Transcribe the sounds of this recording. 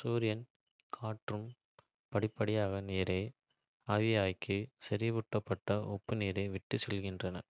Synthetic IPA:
suːɾɪjɐn | kʰaːʈrɯm | pɐɽɪpːɐɽɪjaːɣɐneːɾɐɪ | aːʋɪjaːjkɯsɐɾɪʋʊʈːɐpːɐʈːɐʔɔpːɯneːɾɐɪʋɪʈːɯsɛlɣɪndrɐnɐ̰

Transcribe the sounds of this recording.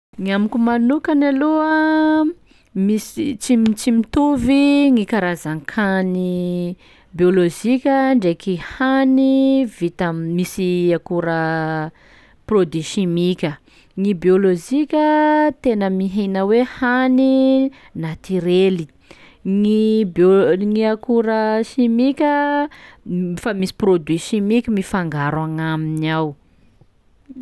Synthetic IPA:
ŋiamikumanukanaloə | misit͡simt͡simit̪uviŋikaɾazaŋkʰani | bioloʒikʲəɳɖ͡ʐekihanivit̪amisiakuɾə | prod̪iʃimikʲə | ŋibiolozikʲət̪enəmiɦenəwehani | nat̪iɾeli | ŋiboŋiakuɾəʃimikʲə | famisi̥prod̪wiʃimikʲəmifaŋɡaɾwaŋaminiaw

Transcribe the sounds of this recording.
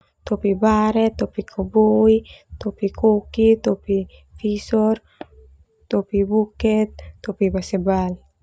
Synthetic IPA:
t̪opibaɾet̪opikʰobojt̪opikʰukit̪opifisoɾ | t̪opibuket̪ːopibasebal

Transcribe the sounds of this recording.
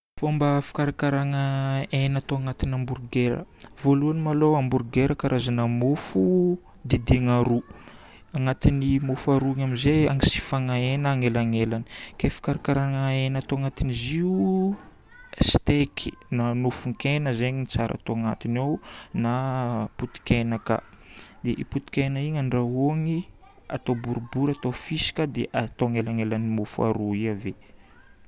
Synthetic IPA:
fombəfḁkaɾakaɾaŋəenat̪oaŋat̪inamburɡeɾə̰voluanimaloamburɡeɾəkaɾʔazanamofu | d̪ed̪eŋaɾu | aŋat̪inimofaɾuaŋamizeaŋisi̥faŋaenaːŋelaŋelani̥kefi̥kaɾakaɾaŋəenat̪oaŋat̪iniziu | st̪ekʰi̥nanufuŋkenəzeɲit͡saɾa̰t̪oaŋat̪inawnaput̪i̥kʲenaka̰ | d̪eʔiput̪i̥kʲenəiŋaɳɖ͡ʐaoŋi | a̰t̪obuɾubuɾat̪ofisi̥kəd̪ḛʔat̪oaŋelaŋelanimofua̰ɾuiave

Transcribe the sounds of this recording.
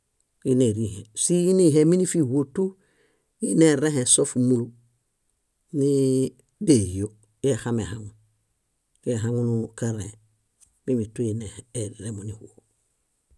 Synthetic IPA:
jineɾihesiiniɦeminifihwotu | ineɾehẽsofmulu | ni | deijo | jexamehaŋu | keɦaŋunukaɾe | mimituinehːɾemunihuo

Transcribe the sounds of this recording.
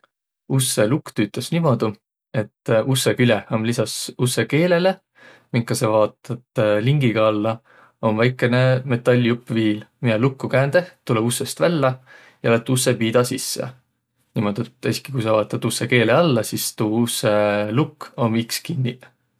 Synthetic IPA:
use̞lukt̪yːt̪ːˑesnimo̞d̪̥u | e̞t̪ːˑusːekylʲehomlisɑsusːe̞ke̞ːle̞le̞ | miŋkːɑsevɑːt̪ːɑt̪liŋɡiɡ̥ɑɑlːɑ | o̞nvæjkːˑe̞ne̞me̞t̪ːˑɑlʲːupːˑviːlmijɑlukːukæːnd̪̥e̞ht̪ːulebusːest̪vælːɑ | jɑlæt̪ːˑusːepiːd̪ɑsisːḛ | nimo̞d̪̥et̪ːˑesi̥ki̥kujsɑvɑːt̪ːˑɑt̪ːusːeke̞ːleɑlːɑsist̪uːusːelukːomikskinʲːi

